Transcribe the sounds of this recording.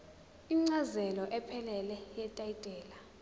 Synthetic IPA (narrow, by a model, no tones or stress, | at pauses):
iŋ͡ǀazɛlɔʔɛpʰɛlɛlɛjɛtʼaitʼɛːla